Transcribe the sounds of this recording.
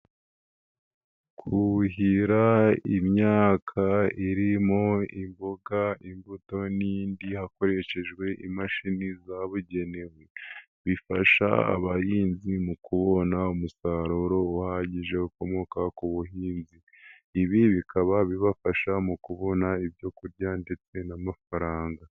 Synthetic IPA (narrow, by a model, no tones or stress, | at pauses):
kʰuhiɾaimɲaːkʰaiɾimo̞imbo̞ɡaimbuto̞niːndihako̞ɾe̞ʃe̞ʒɡwe̞ʔimaʃinizaβuɟe̞ne̞we̞ | βifaʃa̰a̰βahiːnzimukuβo̞naumusaɾoɾo̞uhaɟiʒe̞uko̞mo̞kakuβuɦiːnziː | βiβikaβaβiβafaʃamukuβo̞naiβjo̞kuɾɟande̞t͡se̞namafaɾaːŋɡa